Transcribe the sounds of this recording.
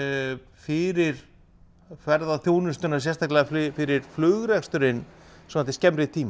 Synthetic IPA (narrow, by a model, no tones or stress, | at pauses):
fɪɾɪɾ̥ | kvɛɾðaθjoːwnʏst̪ʏnasjɛst̪ʰahk̪lɛɣafɪɾɪɾ̥flʏɣɾɛkst̪ʏɾɪnː | sɔmat̪ɪscɛmɾɪt̪ʰiːm